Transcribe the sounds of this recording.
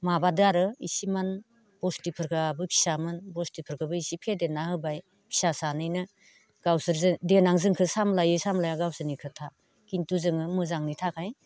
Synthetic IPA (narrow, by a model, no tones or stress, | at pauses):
mabadɯaɾɯḭsiman | b̥ɔstipʰɯɾkʰabɯpʰi̥samɯnbɔstipʰɯɾkɯbɯisipʰedenahɯbaj | pʰi̥sasanɯjnɯ | ɡ̥awsɯɾzdenaŋzɯŋkʰɯsamlajɯsamlajaɡawsɯnikʰɯtʰa | kintuzɯŋɯmɯzaŋnitʰakʰaj